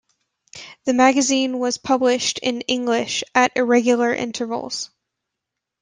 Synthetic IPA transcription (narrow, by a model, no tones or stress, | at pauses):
ðɨmæɡɨzĩnwʌz̥pʰʌblɪʃtʰɪ̃nɪ̃ŋɡlɪʃɨɾʔɪɹɛɡjl̩ˠə˞ʔɪ̰̃ntʰə˞vl̩ˠz̥